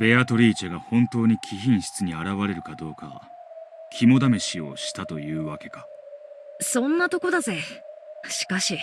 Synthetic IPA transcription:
be̞at̪o̞ɾʲiːt͡ɕeɡahõ̞nt̪o̞ːɲ̟ikʲʰiçĩɰ̃ɕi̥t͡sɨɲ̟iaɾaβaɾe̞ɾɯ̟kad̪o̞ːka̰ | kʲʰimo̞d̪ame̞ɕio̞̰ɕi̥t̪at̪o̞jɯ̟ːβake̞ka | sõ̞nːat̪oko̞d̪aze̞ | ɕi̥kaɕi

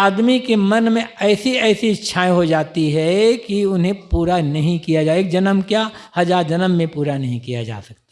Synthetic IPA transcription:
aːd̪mikemɐnmẽɛːsiɛːsiɪtːʃʰaːẽɦod͡ʒaːt̪iɦɛkiʊnɦẽpuːɾanɐɦĩkijad͡ʒaːeːk̚d͡ʒɐnəmkjahɐd͡ʒaːɾd͡ʒɐnəmːẽpuːɾanɐɦĩkija̰d͡ʒa̰ːsɐk̚t̪a

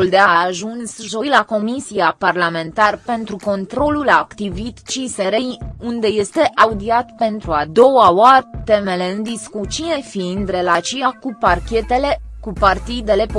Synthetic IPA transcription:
uld̪e̞aːʒunsʒo̞jlako̞misiaparlame̞nt̪arpe̞nt̪ɾuko̞nt̪ɾo̞lulaːkt̪ivit̪t͡ʃiseɾejund̪e̞je̞st̪e̞ʔaud̪iat̪pe̞nt̪ɾuad̪o̞waoart̪e̞me̞le̞ɨnd̪iskut͡ʃine̞find̪re̞lat͡ʃiakuparkʲe̞t̪e̞lekupart̪id̪e̞le̞p

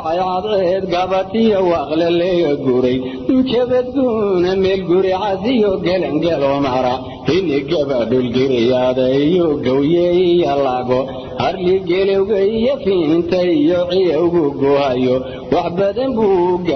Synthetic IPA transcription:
ɑjʕɑd̪ɛːd̪ɡɐβɐt̪ʰɪjɔwɑːqlɛlɛɣɐɡʊɾɛj | ɪnt͡ʃʰɛβɛd̪̚ɡunɐmɛːlɡʊɾɛʕɑsɪjɔɡɛlɐŋɡɛlɔmɐɾɐ | hɛnɛɡɐβɐɖʊlɡɪɾɛjaðɐɪjɔɡɐwjɛɪjɐlaɣɔ | hɐrliɡɛlɛɣɐɪjɐfiːɪnt̪ʰɐɪjɔʕɪjɐʊɣʊɡɔhɐjɔ | wɑħbɐðɐmbuːɡɐ

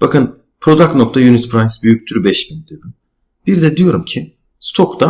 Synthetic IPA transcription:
b̥akɯn | pʰɾo̞d̪akno̞kt̪ʰajunit̪pʰɾajsbyjyc̚t̪ʰyɾybɛʃbind̪eb̪im | b̥iɾd̪ɛd̪ijo̞ɾumcʰi | st̪ʰo̞kt̪a

